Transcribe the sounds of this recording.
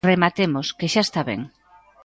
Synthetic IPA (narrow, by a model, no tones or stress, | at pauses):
remat̪emoskeʃaest̪aβḛŋ